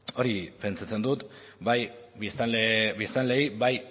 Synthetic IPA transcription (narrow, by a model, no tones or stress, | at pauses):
o̞ɾipe̞nt͡sat͡se̞nd̪ut̪ | bajisaleβist̪anle̞iβaj